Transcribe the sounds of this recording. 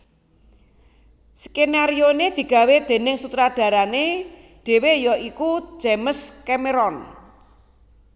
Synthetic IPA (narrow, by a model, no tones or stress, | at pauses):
skenaɾioned̪̥i̤ɡ̥ä̤wed̪̥e̤nɪŋsut̪ɾaɖ̥ä̤ɾane | ɖ̥e̤wejɔʔiku̥ʒ̥eməskɛmeɾɔn